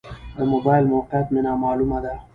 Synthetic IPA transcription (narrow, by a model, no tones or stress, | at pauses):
d̪əmobɑjɪlmoqat̪menɑːmɑːlumad̪a